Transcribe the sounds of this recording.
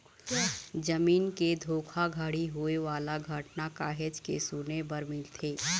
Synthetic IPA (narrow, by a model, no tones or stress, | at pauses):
d͡ʒɐmiːnked̪ʱoːkʰaɡʱəɽiɦueʋaːlaɡʱəʈnakaːɦed͡ʒkḛsunebɐɾmɪlt̪ʰeː